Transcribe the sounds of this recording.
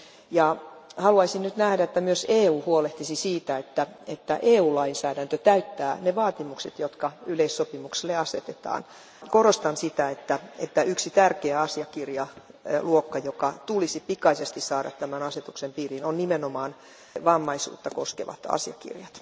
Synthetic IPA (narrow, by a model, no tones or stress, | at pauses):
jɑhɑluɑisinnyt̪næhɾæet̪ːæmyøseːuːhuoleht̪isisiːt̪æet̪ːæet̪ːæʔeːuːlɑinsæːdænt̪øt̪æyt̪ːæːneʋɑːt̪imukset̪jot̪kɑyleisːopimukselːeɑset̪et̪ɑ̰ːn | korost̪ɑnsit̪æet̪ːæet̪ːæyksit̪ærkeæɑsiɑkirjɑluokːɑjokɑt̪ulisipikɑisest̪issɑːɾɑ̰t̪t̪æmænɑset̪uksempiːrinonnimenomɑːn | ʋɑmːɑisṵːt̪ːɑkoskeʋɑ̰t̪ɑ̰siɑ̰kḭrjɑt̪